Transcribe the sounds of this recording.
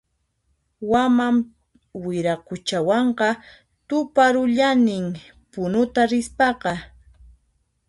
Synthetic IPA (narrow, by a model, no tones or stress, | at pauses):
wamam | wɪɾakʊt͡ʃawɑɴqɑ | t̪ʊpaɾʊʎanɪŋ | pʊnʊt̪aɾɪspɑqɑ